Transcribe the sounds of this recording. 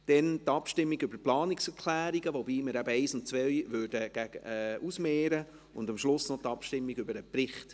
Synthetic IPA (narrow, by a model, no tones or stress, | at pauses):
d̥ɛntɑpʃtɪmːiɡʏbəplɑːniksɛɾkʰlæːɾiɡəʋobiːməɾæbəɛɪsʊntt͡sʋœjʋøɾd̥əɡ̥æɡɛusmɛːɾə | ʊndɑmʃlʊsnɔtɑpʃtɪmːiɡʏbəɾəpɾɪχt